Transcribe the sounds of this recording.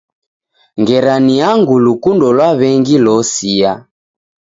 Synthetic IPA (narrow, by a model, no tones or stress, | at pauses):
ŋɡɛɾaniaŋɡulukundɔlwaβɛŋɡilɔsia